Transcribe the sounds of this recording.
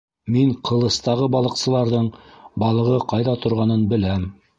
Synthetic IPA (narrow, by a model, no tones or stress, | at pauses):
miɴqʰɤ̆lˠɤ̆st̪ɑʁɤbɑlˠɤ̆qsɤ̆lˠɑɾðɤɴbɑlˠɤ̆ʁɤqɑjðɑt̪ʰŏɾʁɑnɤnbɘ̆læm